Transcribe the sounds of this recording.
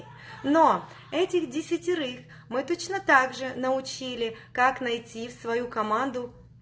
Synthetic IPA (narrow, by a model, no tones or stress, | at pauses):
no | ɛtʲɪxdʲɪsʲɪtʲɪɾɨx | mɨt̪o̞t͡ɕnət̪aɡʐɨnəʊt͡ɕilʲɪkaknɐjtʲifsvɐjukɐmand̪ʊ